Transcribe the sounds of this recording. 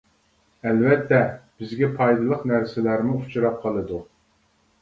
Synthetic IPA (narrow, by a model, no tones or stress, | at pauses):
ɛlvɛt̪ʰːɛb̥ɪzɡʲɛpʰɑjd̪ɨlˠəqnæɾsɪlæɾmuut͡ʃʰuɾɑp̚qʰɑlˠɨd̪u